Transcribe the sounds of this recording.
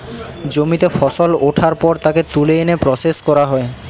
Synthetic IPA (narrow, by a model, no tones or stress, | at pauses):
d͡ʑomit̪efɔsoloʈʰaɾpɔɾt̪aket̪uleenepɾɔseskɔɾaɦɔe